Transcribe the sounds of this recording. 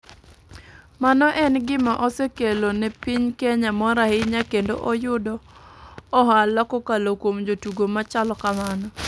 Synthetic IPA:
manɔʔɛnɡɪmaʔɔsekelonɛpiɲkɛɲamɔɾahɪɲakendo̰ʔɔjʊdɔː | ɦalɔkɔkalokwomd͡ʒotuɡomat͡ʃalɔkamanɔ

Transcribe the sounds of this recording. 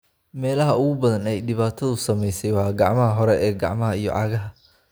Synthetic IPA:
mɛːlɐɦɐʊɣʊbɐðɐnɛjɖɪβaːt̪ʰɐðʊsɐmɛjsɛjwɑːɡɑ̰ʕmɐɦɐɦɔɾɛʔɛːɡɑ̰ʕmɐɦɐijɔ̰ʕʔɑːɣɐɦɐ

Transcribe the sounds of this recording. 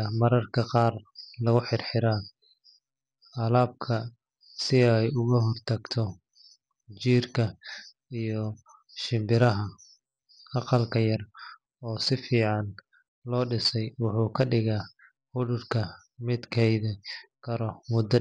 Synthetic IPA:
mɐɾɐrkʰɐqɑːrlɐɣʊħɪrħɪɾaː | ɐlaːb̚kʰɐ | sɪɛjʊɣɐɦɔrt̪ʰɐɡt̪ʰɔ | t͡ʃiːrkʰɐ | ijɔ | ʃɪmbɪɾɐɦɐ | ɑqɑlkʰɐjɐr | ɔːsɪfiːʕɑn | lɔːɖɪsɛjwʊħuːkʰɐɖɪɣaː | hʊɽʊrkʰɐ | mɪd̪kʰɛjðɪkʰɐɾɔmʊd̪ɐ

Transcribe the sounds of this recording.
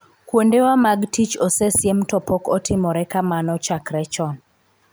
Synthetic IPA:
kwondewamaɡtit͡ʃosesjɛmtɔpɔkɔtɪmɔɾɛkamanɔt͡ʃakɾɛt͡ʃɔn

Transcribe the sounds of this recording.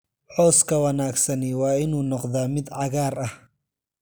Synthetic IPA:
ħɔːskʰɐwɐnaːɡsɐnɪwɑːɪnuːnɔqðaːmɪd̪ʕɑɣaːrɐh

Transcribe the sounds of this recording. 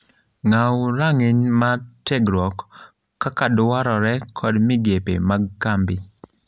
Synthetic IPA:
ŋawɾaŋɪɲmatɛɡɾwɔk | kːakadwaɾɔɾɛkʰɔdmɪɡepemaɡ̚kambɪ

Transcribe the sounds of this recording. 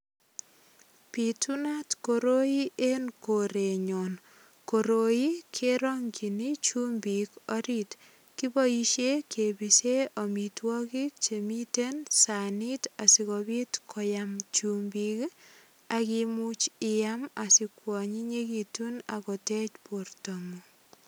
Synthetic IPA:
pitunatkoɾoiʔenkoɾeɲɔn | koɾojikʰeɾɔŋkinit͡ʃumbikɔɾit | kibɔiʃekʰebiseɔmitwɔkik̚t͡ʃemitensanitasikɔbitkʰɔjamt͡ʃumbik | akimut͡ʃɪjamasikwɔɲiɲekitunakɔtɛt͡ʃpoɾtomu

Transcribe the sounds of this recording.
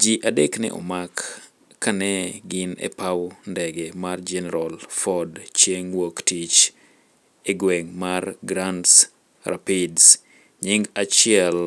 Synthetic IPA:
d͡ʒiʔadeknɛ̰ʔɔ̰makː | anɛɡɪnḛpawndɛɡɛmard͡ʒɛnɛɾalfɔdt͡ʃjeŋwoktit͡ʃ | eɡwɛŋmarɡɾands | ra̰pɪds | ɲɪŋɡat͡ʃɪɛl

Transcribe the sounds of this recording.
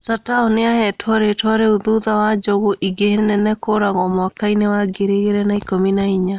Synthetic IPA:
sataoneahɛtʰwɔɾetwaɾeoðuðawad͡ʒɔɣoʔiɡehenɛnɛkoɾaɣɔmwakainewaɡeɾeɣeɾɛnaikominaiɲa

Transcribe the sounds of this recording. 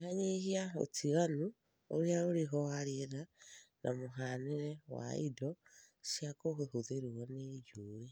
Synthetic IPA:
aɲeɦiao̰tʰiɣanu | oɾeaoɾeɦɔaɾeɾanʔa̰moɦaneɾɛwa̰ḭdɔ | ʃjakoɣehoðeɾuɔned͡ʒuɾe

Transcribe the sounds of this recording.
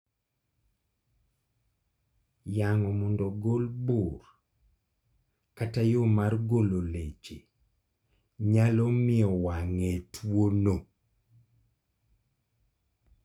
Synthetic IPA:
jaŋɔmɔndɔɡolbor | katajomarɡololet͡ʃe | ɲalɔmɪɔwaŋetʰwono

